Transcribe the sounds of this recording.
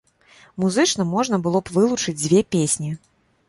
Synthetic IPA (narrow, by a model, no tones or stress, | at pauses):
muzɨt͡ʂnɐmɔʐnɐbɨlˠɔpvɨlˠut͡ʂɨd͡zʲd͡zʲvʲepʲesʲnʲi